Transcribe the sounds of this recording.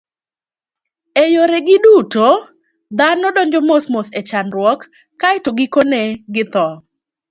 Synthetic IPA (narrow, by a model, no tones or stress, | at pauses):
ejoɾɛɡɪduto | d̪anɔdɔɲd͡ʒɔmosmoset͡ʃanɾwɔkː | aɪtoɡɪkoneɡɪt̪ɔ